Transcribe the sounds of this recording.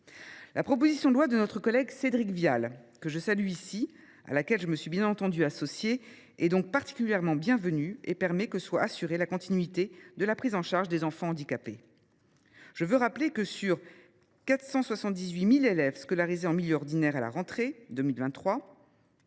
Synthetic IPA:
lapχɔpozisjɔ̃d̪lwad̪ənɔt̪χəkɔlɛɡsed̪ʁikvjal | kəʒəsalɥyisi | a̰lakʲɛlʒəməsɥibjɛ̃nɑ̃t̪ɑ̃d̪yasɔsje | ɛd̪ɔ̃k̚paʁt̪i̥kʲyljɛʁmɑ̃bjɛ̃vənyepɛʁmɛkəswaasyʁelakɔ̃t̪ʰinɥit̪ed̪əlapχizɑ̃ʃaʁʒd̪ezɑ̃fɑ̃ɑ̃d̪ikape | ʒ̥əvøʁaplekəsyʁ | kat̪χsɑ̃swasɑ̃t̪̚d̪izɥimilelɛvskɔlaʁizeɑ̃miljøɔʁd̪inɛʁala̰ʁɑ̃t̪χed̪ømilvɛ̃t̪ːχwa

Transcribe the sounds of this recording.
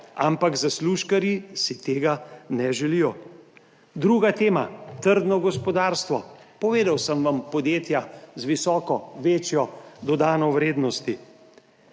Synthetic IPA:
ampaɡzasluʃkaɾjisit̪eːɡanɛʒɛlijɔ | d̪ɾuːɡat̪eːmat̪əɾd̪nɔɡɔspɔd̪aːɾst̪ʋɔpɔʋeːd̪awsəmʋampɔd̪jeːt̪jazʋisɔːkɔʋeːt͡ʃjɔd̪ɔd̪aːnɔwɾeːd̪nɔst̪i

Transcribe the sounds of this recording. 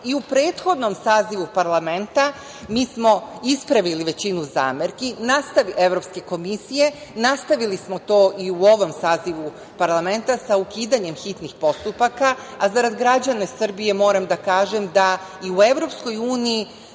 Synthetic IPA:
iupɾe̞ːt̪xo̞d̪nomsaːziʋupaɾlˠame̞nt̪a | miːsmo̞ispɾaʋiliʋe̞t͡ɕinuza̰ːmeɾkinast̪aʋiʔe̞ʋɾo̞pske̞ko̞misije̞nast̪aʋilismo̞t̪o̞ːʔiuo̞ʋo̞msaːziʋu | paɾlˠame̞nt̪asaukiːd̪aɲe̞mxit̪nixpo̞st̪upakaazaɾad̪ɡɾad͡ʑanasr̩bije̞mo̞ːɾamd̪akaːʒemd̪aiue̞ʋɾo̞psko̞juːniji

